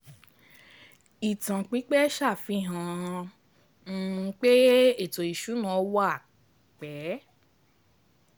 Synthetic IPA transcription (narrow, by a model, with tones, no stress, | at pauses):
i˨tã˨k͡pi˨˦k͡pɛ˦ʃa˦˨fĩ˧˦ɦã˨˧˦ | k͡pe˦e˦˨to˨i˨ʃu˨˦nã˨˦wa˦˨ | k͡pɛ˨˦